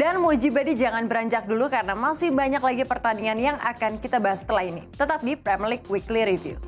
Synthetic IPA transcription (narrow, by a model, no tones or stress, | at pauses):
danmud͡ʒibadid͡ʒaŋanbəɾaɲd͡ʒak̚dulukarənamasɪhbaɲaklaɡipərt̪aniŋanjaŋʔa̰kankit̪abaɦasə̥t̪əlaɦinḭt̪ət̪ap̚dipɾɛmilɪk̚wikliɾiviṵ